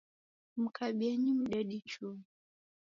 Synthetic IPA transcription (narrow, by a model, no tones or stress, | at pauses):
m̩kaɓiaɲim̩ɗaɗit͡ʃɔ